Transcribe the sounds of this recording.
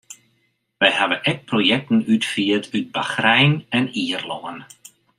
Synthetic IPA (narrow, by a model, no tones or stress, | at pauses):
ʋɛjhaʋəʔɛk̚projɛk̚tən̩ytfiətʰyt̚baxrɛjnɛniərlɔən